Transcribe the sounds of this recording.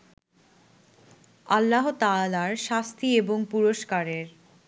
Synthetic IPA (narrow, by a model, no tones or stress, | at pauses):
alːaɦot̪alaɾʃast̪ʰieboŋpuɾoʃkaɾeɾ